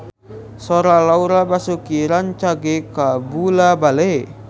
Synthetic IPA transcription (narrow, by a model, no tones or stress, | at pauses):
sɔɾalauɾabasukiɾant͡ʃaɡekabulabale